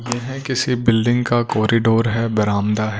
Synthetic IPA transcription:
jeːɦɛ̃kɪsibɪlɖɪ̃ŋɡkakɔːɾɪɖoːɾɦɛbɐɾaːmd̪aɦɛ

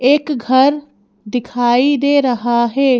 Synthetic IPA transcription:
eːkɡʱɐɾ | d̪ɪkʰaːid̪eːɾɐɦaɦɛː

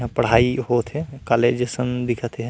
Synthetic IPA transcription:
ɦãpəɽ̤aːiɦot̪ɦɛ̃kaleːd͡ʒesənd̪ɪkʰət̪eɦɛ̃

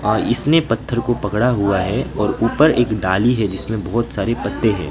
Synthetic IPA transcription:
ɔːɾɪsnepɐt̪ʰːəɾkopɐkɽaɦuaɦɛɔːɾuːpəɾeːkɖaːliɦɛd͡ʒɪsmẽbɔɦt̪saːɾepɐt̪ːeɦɛ̰̃ː

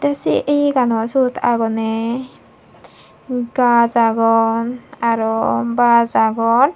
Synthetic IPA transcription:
d̪ɛsḭʔejkanɔsut̪ʰa̰ɡɔnɛ | ɡazaɡɔnaɾɔbazaɡɔn

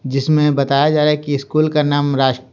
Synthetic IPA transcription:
d͡ʒɪsmẽbɐt̪aːjad͡ʒaːɾaɦɛkiɪskuːlkanaːmɾaːʃ

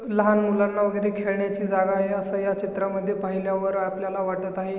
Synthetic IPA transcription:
ləɦanmulanːaʋəɡəjɾekʰeɭɳjat͡ɕiːd͡zaɡaɦeəsəjat͡ɕit̪ɾaməd̪ʱːjepaɦiljaʋəɾapljalaʋaʈət̪aɦe

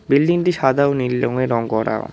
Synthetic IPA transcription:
bilɖiŋʈiʃad̪ʱaonilːoŋeɾɔŋkɔɾa̰o̰

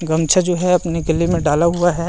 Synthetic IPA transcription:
ɡɐmt͡ʃʰad͡ʒoːɦɛɐpneɡɪlimẽɖaːlaɦʊaɦɛ

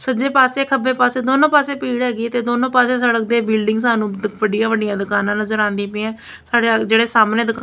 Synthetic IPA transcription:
səd͡ʒeːpaːseːkʰəbeːpaːseːd̪oːnõːpaːseːpiːɽɦɛːɡit̪eːd̪oːnõːpaːseːsəɽək̚d̪eːbɪːlɖɪŋɡsaːnũːʋəɖjãːʋəɖɪjãːd̪əkaːnãːnəzəɾãːnd̪ĩːpɪ̃ɛ̃ː | saːɽed͡ʒeːɽeːsaːmnẽːd̪ək

